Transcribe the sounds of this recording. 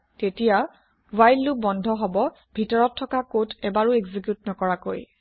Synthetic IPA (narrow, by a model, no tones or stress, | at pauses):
tetija | wajlːubɔndʱɔɦɔbɔ | bʱitɔɹɔtʰːɔkakotɛbaɹueɡzikjutnɔkɔɹako̰j